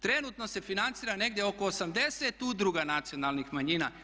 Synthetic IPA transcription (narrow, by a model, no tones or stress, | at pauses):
t̪ɾe̞nut̪no̞se̞finant̪siːɾane̞ɡd̪ʲjeoko̞ːsamd̪e̞set̪ud̪ɾuɡanat̪sio̞nalˠnixmaɲiːna